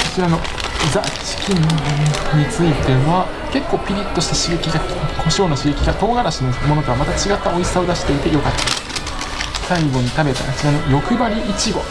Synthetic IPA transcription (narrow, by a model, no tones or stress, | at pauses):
ko̞t͡ɕiɾano̞ | d͡zat͡ɕi̥kʲinɲ̟it͡sɨit̪e̞oβa | ke̞kːo̞ːpʲiɾʲit̪ːo̞ɕi̥t̪aɕiɡe̞kʲiɡakʰo̞ɕo̞ːno̞ɕiɡe̞kʲiɡat̪o̞ːɡaɾaɕinomo̞no̞t̪oamat̪at͡ɕiɡat̪ːao̞isao̞d̪aɕi̥t̪e̞it̪e̞jo̞kat̪ːa | saiɡo̞ɲ̟it̪abe̞t̪akot͡ɕiɾano̞jo̞kɯ̟baɾʲiʔːt͡ɕiɡo̞